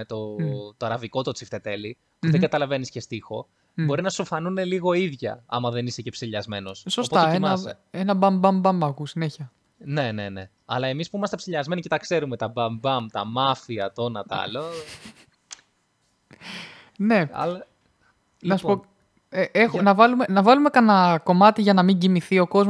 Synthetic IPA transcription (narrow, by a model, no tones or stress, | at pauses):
et̪o̞t̪oɐɾɐviko̞t̪ot͡sift̪e̞t̪e̞li | puðeɡɐt̪ɐlɐve̞nisce̞st̪ixo̞ | bo̞ɾinɐsofɐnune̞liɣo̞iðʝɐ̰ɐ̰mɐðe̞nise̞ce̞psiʎɐzme̞no̞ssosstot̪ɐeeimɐ | enɐbɐmbɐmbɐmɐkusineçiɐ | ne̞ne̞ne̞ | ɐ̰lɐe̞mispuimɐst̪e̞psiʎɐzme̞nicet̪ɐkse̞ɾume̞t̪ɐbɐmbɐmt̪ɐmɐfiɐt̪o̞nɐt̪ɐɐ̰lo | ne̞ɐ̰l | nɐsupo | eʔexnɐvɐlume̞nɐvɐlume̞kɐnɐko̞mɐt̪iʝɐnɐmiɲɟimiθio̞ko̞zm